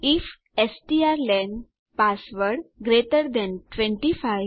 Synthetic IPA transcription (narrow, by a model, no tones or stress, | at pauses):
if | esʈiaɾlɛ̃ɳɖ | pasʋəɽɡɾeʈəɾd̪ɛ̃nʈʋẽɳʈifaj